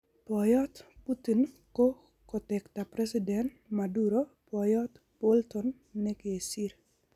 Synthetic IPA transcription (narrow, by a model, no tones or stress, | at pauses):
pɔjɔt̪putin | ko | kɔtɛkt̪apɾɛsidɛnt | maduɾo | pɔjɔt̪ | b̥olt̪ɔnː | ɛkesiɾ